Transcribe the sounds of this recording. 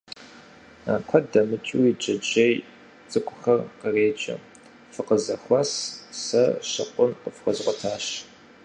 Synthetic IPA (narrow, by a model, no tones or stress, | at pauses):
a̰ːkʷʰɐdɐmɨt͡ʃʼuwid͡ʒʼɐd͡ʒej | t͡sʼɨkʷʼʊxɐrqəreːt͡ʃʼɐ̰ | fɨqəzɐxʷɐssɐʃɐ̰qʷʼʊnqəfqɐzʁʷɐtʰaːʃ